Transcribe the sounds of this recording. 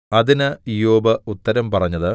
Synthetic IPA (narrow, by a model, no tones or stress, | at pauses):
ɐðinɨijoːbɐut̪ːɐɾɐmpɐrɐɲːɐðɨ